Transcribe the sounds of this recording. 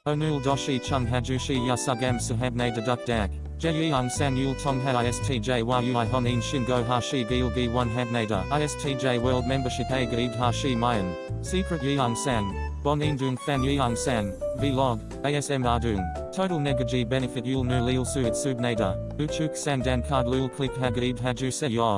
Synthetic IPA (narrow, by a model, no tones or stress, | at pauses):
həʊnʉlˠdɔʃit͡ʃʰʌ̃mɦæd͡ʒʉʃijasaɡæ̃msəɦævneɪdədʌk̚d̥æk | d̥d͡ʒ̥ɛjiɑnsæ̃njulˠtʰɔ̃mɦæaɪɛstʰid͡ʒeɪwajʉɪɦɔnĩnʃɪ̃nɡoʊɦaʃibilˠbiwʌ̃nɦævneɪɾə̰ʔaɪɛstʰid͡ʒeɪwɜ˞lˠd̚mɛ̃mbəʃɪpeɪɡidɦaʃimaɪə̃n | siˑkʰɹɨt̚jiɑnsæ̃nb̥ɔnĩndʉnfæ̃njʉansæ̃nvilɔɡ | eɪɛsɛ̃mɑdʉn | tʰoʊɾl̩ˠnɛɡəd͡ʒibɛnɨfɨt̚julˠnʉlilˠsʉɨtsʉd̚neɪɾə̰ | ʉt͡ʃʰʉˑksæ̃ndæ̃nkʰɑːdlilˠkʰl̥ɪkɦæɡid̚ɦæd͡ʒʉsɛjɔ